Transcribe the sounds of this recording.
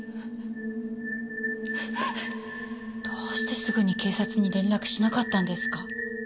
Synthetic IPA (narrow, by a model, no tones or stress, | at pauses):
d̪̥o̞ːɕi̥t̪e̞sɨɡɯ̟ɲ̟ike̞ːsat͡sɨɲ̟iɾẽ̞nɾakɯ̟̥ɕinakat̪ːãnd̪e̞sɨ̥ka